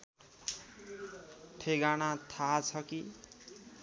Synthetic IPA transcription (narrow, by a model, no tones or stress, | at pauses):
t̪ʰeɡañat̪ʰat͡sʰʌki